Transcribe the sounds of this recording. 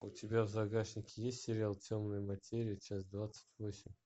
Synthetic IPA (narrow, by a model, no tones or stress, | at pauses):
ʊtʲɪbʲavzɐɡaʂnʲɪkʲɪjesʲtʲsʲeɾʲɪalˠtʲo̞mnɨjmɐtʲeɾʲɪit͡ɕasd̪vat̪sə̥tʲvosʲɪmʲ